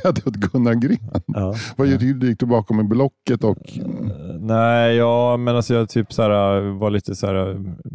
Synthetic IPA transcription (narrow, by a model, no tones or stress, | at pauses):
ad̪əat̪ɡɵnːaɡɾeːnɑːvajt̪d̪jɪkt̪ɪlbɑːkɔmɪblɔkːət̪ɔk | næɪɪjɑːmɛnalsɔjɑt̪ʰyːpsæːɾavaɭiːt̪əsæːɾa